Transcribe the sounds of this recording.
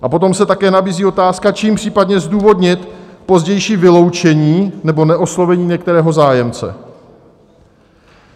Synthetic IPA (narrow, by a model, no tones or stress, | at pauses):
ʔapo̞t̪o̞msɛt̪akɛːnabiːziːo̞t̪aːskat͡ʃiːmpr̥iːpadɲɛzduːvo̞dɲɪt̪po̞zɟɛjʃiːvɪlo̞wt͡ʃɛɲiːnɛbo̞nɛʔo̞slo̞vɛɲiːɲɛkt̪ɛɾɛːɦo̞zaːjɛmt͡sɛ̰